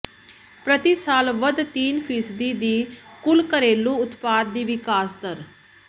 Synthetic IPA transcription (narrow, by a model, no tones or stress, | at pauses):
pɾət̪iːsaːlʋəd̪t̪iːnpʰiːsd̪iːd̪iːkʊlkəɾeːlũːʊt̪paːd̪̚ːiːʋɪkaːsd̪əɾ